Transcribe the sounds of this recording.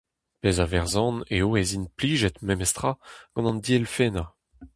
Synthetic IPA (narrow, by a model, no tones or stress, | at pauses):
pezavɛʁzɑ̃neoezinpliːʒɛt̪memɛst̪χaɡ̥ɑ̃nɑ̃nd̪iɛlfena